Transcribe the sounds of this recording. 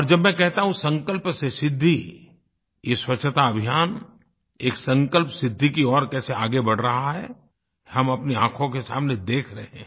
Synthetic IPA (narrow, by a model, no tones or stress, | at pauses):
ɔːɾd͡ʒɐbmɛ̃kɛɦt̪aɦũsɐ̃ŋkəlpsesɪd̪ʱːi | jeswɐtːʃʰət̪aɐbʱijaːn | eːksɐ̃ŋkəlpsɪd̪ʱːikiɔːɾkɛːseaːɡebɐɽ̤ɾɐɦaɦɛ̰ | hɐmɐpneãːkʰõkesa̰ːmned̪eːkʰɾɐɦɛ̃ː